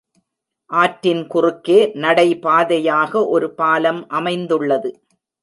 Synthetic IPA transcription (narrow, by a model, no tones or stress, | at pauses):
ʔaːʈɾɪnkʊrɯkːeːnɐɽɐɪpaːðɐjaːɣɐʔɔɾɯpaːlɐmʔɐmɐɪnd̪ɯɭːɐðɯ